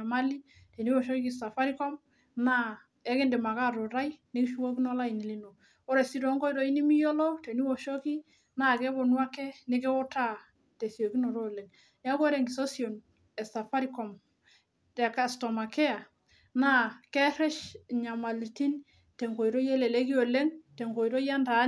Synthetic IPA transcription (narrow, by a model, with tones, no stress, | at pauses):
a˨ma˦li˦ | te˨ni˦wɔ˨ʃo˦ki˦ki˦sa˨fa˦ɾi˦kɔ˦m | na˦ | ɛ˦ke˦nde˨ma˨ka˦ɾo˨ɾa˦jne˦kʃu˦ko˦ki˦no˦la˦i˨ni˨li˦no˨ | ɔ˦ɾe˨si˦ɾɔ˨˦ŋko˦i˨ɾo˨˦i˦ni˦mi˦jo˦lɔ˦te˨ni˦wɔ˨ʃo˦ki˦ | na˦˨kɛ˦bɔ˨nwa˦kɛ˦ne˦kɛ˦wɔ˦ta˦ | te˨si˨o˨ki˦no˨ɾo˦˨le˨ŋ | ja˦ko˦ɾe˨ŋɡi˨so˦sio˨n | ɛ˨sa˨fa˦ɾi˦kɔ˨m | tɛ˨ka˨stɔ˨ma˨kɛ˦a˨ | na˦kɛ˦ɾɛ˦ʃɲa˨ma˨li˨ti˦n | tɛ˨ŋɡo˨jɾo˦je˦le˨le˦ki˦o˨le˦ŋte˨ŋɡo˨i˨ɾo˦ja˦nda˨˦